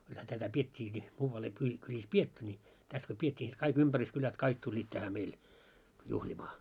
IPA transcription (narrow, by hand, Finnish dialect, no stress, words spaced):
kulhæ tætæ pietʲːiːki muːʋɑl ei kylʲi kylʲis pietːy nʲi tæs ko pietʲːiː ni sit kɑik ympæryskylæt kɑik tulʲːiːt tæhæ meil juhlʲimɑː